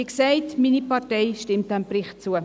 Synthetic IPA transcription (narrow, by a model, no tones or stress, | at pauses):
iksɛɪtminipɑtɛɪʃtɪmt̚æmprɪχtt͡suə